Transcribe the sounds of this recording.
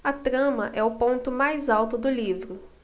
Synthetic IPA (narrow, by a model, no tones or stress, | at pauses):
ɐt̪ɾɐ̃mɐʔɛʊpõnt̪ʊmajzawt̪ʊd̪ʊlivɾʊ